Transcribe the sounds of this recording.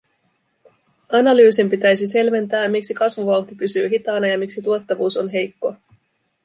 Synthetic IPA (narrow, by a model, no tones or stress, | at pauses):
ɑnɑlyːsimpit̪æjs̬ise̞lʋe̞nt̪æːmiksikɑsʋuʋɑwt̪ipysyːɦit̪ɑːnɑjɑmiksit̪uot̪ːɑʋuːso̞nɦe̞jkːo̞